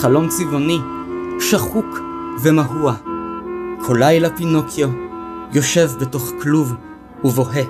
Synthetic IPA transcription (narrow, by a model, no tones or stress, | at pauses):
χalo̞mt͡sivo̞ni | ʃaχukvemaɦua | kʰolajlapinokʰjojo̞ʃe̞vbeto̞χkluv | uvo̞ɦe